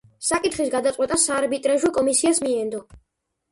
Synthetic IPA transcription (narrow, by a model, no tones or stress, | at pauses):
sakʼit̪ʰχisɡad̪at̪sʼwɛt̪ʼasaɾbit̪ʼɾaʒwɔkʼɔmisiasmiɛnd̪ɔ